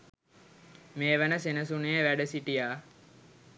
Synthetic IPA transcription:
meːʋənəsenəsunejəʋæɖəsiʈijaː

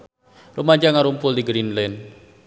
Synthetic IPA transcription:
rumaɲd͡ʒaŋaɾumpʊldiɡɾinlɛn

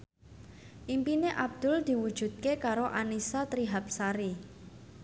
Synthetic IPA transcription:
ʔimpineʔab̚d̪̥ʊ̤ld̪̥i̤wud̥ʒ̥ṳd̪̚kekaɾoʔanisat̪ɾiɦap̚saɾi

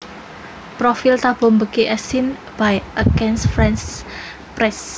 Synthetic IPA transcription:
pɾofilt̪ab̥o̤mbəkiʔɛsin | b̥ajʔəɡɛnsfɾɛns | pɾɛs

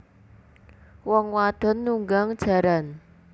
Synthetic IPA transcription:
wɔŋwad̪̥ɔ̤nːuŋɡaŋd̥ʒ̥a̤ɾan

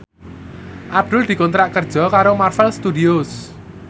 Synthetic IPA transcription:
ʔab̚d̪̥ʊ̤ld̪̥i̤kɔnt̪ɾaʔkərd̥ʒ̥ɔ̤kaɾomarfɛlst̪ud̪iʊs

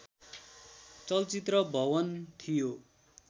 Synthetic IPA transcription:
t͡sʌlt͡sit̪rʌbʱʌwʌnt̪ʰijo

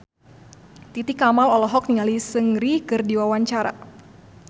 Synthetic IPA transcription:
t̪it̪ikamalɔlɔɦɔk̚niŋalisəŋɾikɨrdiwawaɲt͡ʃaɾa̰

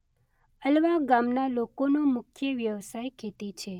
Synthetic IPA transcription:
əlʋaɡamnalokonomʊkʰjəʋjəʋsajkʰet̪it͡ʃʰe

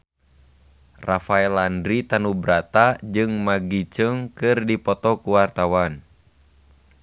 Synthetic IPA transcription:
rafaɛlandɾit̪anubɾat̪ad͡ʒɨŋmaɡit͡ʃəŋkɨrdipɔt̪ɔkuwart̪awan

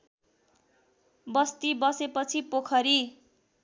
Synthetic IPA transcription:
bʌst̪ibʌsepʌt͡sʰipokʰʌɾi

